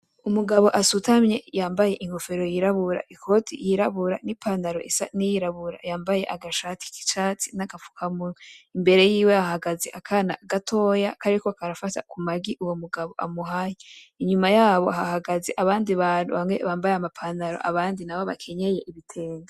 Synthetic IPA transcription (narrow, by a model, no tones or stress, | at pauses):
umuɡaβo̞ʔasutamɲe̞jaːmbaje̞ʔiŋ̥ho̞fe̞ɾo̞jiɾaβuɾa̰ʔikʰo̞tʰḭjiɾaβuɾa̰nipʰandaɾo̞̰ʔisa̰nijiɾaβuɾa̰jaːmbaje̞ʔaɡaʃaːti̥ki̥t͡ʃaːt͡sinaɡafu̥kʰamuimbe̞ɾe̞jiːwe̞hahaɡazeʔakʰana̰ɡatʰo̞jakaɾikokaɾafata̰kumaɡiʔuwo̞muɡaβo̞ʔamuɦaje | iɲumajaːβo̞ɦahaɡazeʔaβaːndiβaːnuβamwe̞̰βaːmbajamapʰandaɾo̞̰ʔaβaːndinaβoβa̰kʰe̞ɲe̞je̞ʔiβitʰe̞ːŋɡa